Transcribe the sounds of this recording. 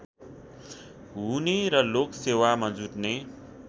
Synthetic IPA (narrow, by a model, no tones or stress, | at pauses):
ɦuneɾʌloksewamad͡zuʈne